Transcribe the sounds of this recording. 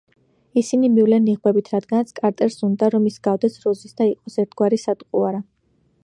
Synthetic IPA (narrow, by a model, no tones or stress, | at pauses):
isinimivlɛniʁbɛbit̪ʰɾad̪ɡanat̪sʰkʼaɾt̪ʼɛɾsund̪aɾɔmisɡavd̪ɛsɾɔzisd̪aiqʼɔsɛɾt̪ʰɡwaɾisat̪ʼqʼuaɾa